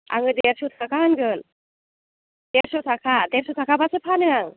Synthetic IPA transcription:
a̰ŋɯdeɾsut̪ʰakʰaɦanɡɯn | d̪̥eɾsɯt̪ʰakʰadesɔt̪ʰakʰabasɯpʰanɯaŋ

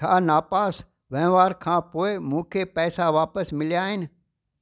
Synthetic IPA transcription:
aːnaːpaːs | ʋɛ̃ɦɪ̃ʋaːɾkʰãːpoːɪmũːkʰepɛːsaʋaːpəsmɪljaːɦɪnɪ̆

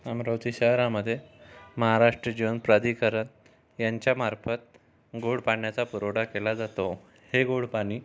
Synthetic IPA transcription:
amɾəwt͡s̪iɕəɦɾãməd̪ʱːjeməɦaɾaʂʈɾəd͡ʑiʋənpɾad̪ikəɾən | jaɲt͡ɕjamaɾfət̪̚ | ɡoɽpaɳjat͡sapuɾoɽakelad͡zat̪o | heɡoɽpaɽ̃iː

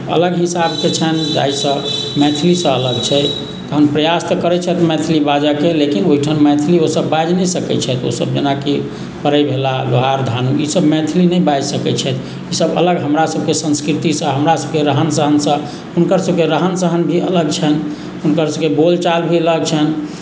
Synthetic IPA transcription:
ə̰ləɡɦisabket͡ʃʰənd͡ʒa̰jsə̃ | mɛ̃t̪ʰlisə̃ələɡt͡ʃʰɛ | t̪əɦənpɾəjast̪əkəɾɛt͡ʃʰɛt̪mɛ̃t̪ʰlibad͡ʒakelekinoɦiʈʰanmɛ̃t̪ʰliosəbːad͡ʒnɛsəkɛ̰t͡ʃʰɛt̪o̰səb̚d͡ʒenake | pəɾəbʱelad̪oɦaɾd̪ʱanuisəbmɛ̃t̪ʰlinɛjbad͡ʒsəkɛt͡ʃʰɛt̪ | isəbə̰ləɡɦəmɾasəb̚ʱkesə̃nskɾit̪isə̃ɦəmɾasəb̚keɾəɦənsəɦənsə̃ | unkəɾsəb̚keɾəɦənsəɦənbʱiələɡt͡ʃʰən | unkəɾsəbkebolt͡ʃalbʱiələɡ̚t͡ʃʰən

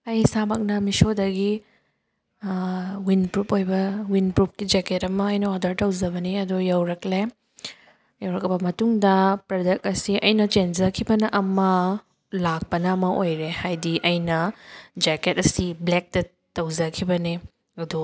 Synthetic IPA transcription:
ɐjsabɐk̚nɐmisodɐɡi | winpɾupojbɐwinpɾup̚kid͡ʒeketɐmɐːjnɐodɐɾtɐwzɐbɐniɐdujɐwɾɐkle | jɐwɾɐk̚ɐbɐmɐtuŋdɐpɾɐdɐk̚ɐsiɐjnɐt͡ʃend͡ʒɐkʰibɐnɐʔɐmɐ | lak̚pɐnɐːmɐʔojɾehajdiʔɐjnɐd͡ʒeketɐsiblek̚tɐ | tɐwzɐkʰibɐni | ɐdu

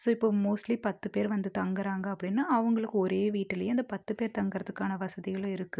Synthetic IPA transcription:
soːɪpːoːmoːsʈlipɐt̪ːɯpeːɾʋɐnd̪ɯt̪ɐŋɡɐɾaːŋɡɐɐpːɐɽɪnːaːɐʋɐŋɡɐɭɯkːɯɔɾeːʋiːʈːɪlɐjɐ̃ɪnd̪ɐpɐt̪ːɯpeːɾt̪ɐŋɡɪɾɐðɯkːaːnɐʋɐsɐðɪɣɐɭʊ̃ɪɾɯkːɯ

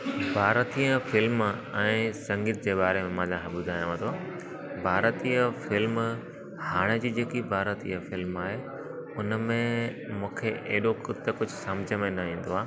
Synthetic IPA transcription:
bʱaːɾt̪iəfɪlmɛ̃ːsɐ̃ŋɡɪt̪̚ʰd͡ʑeːɓaːɾemẽmãːd͡ʑãːkʰẽɓʊd̪ʱaːj̃ʋãːt̪ʰo | bʱaːɾt̪iːəfɪlm | haːɽ̃ed͡ʑiːd͡ʑeːkibʱaːɾət̪ḭjəfɪlmaːɦe | ʊnmẽmũːkʰeʔeɦɗoxʊt̪ɐkʊd͡ʑʱʊsɐ̃md͡ʑʱəmẽnɐĩːn̆d̪oaː

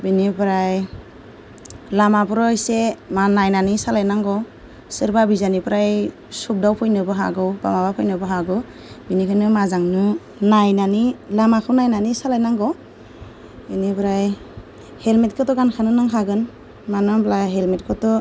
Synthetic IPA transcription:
binibɾaj | lamapɾɔjsemanajnanisalajnaŋɡɔ | sɯɾbabizanipɾaj | sup̚dawpʰɔjnɯbɯɦa̰ɡɯwba̰mabapʰɔjnɯbɯɦaɡɯ | binikʰɯnɯmazaŋnu | najnanilamakʰɯwnajnanisalajnaŋɡɔ | binibɾaj | helmet̚kʰɯtɔɡankʰanɯnaŋɦʰaɡɯn | manɔmblaɦelmet̚kʰɯtɔ

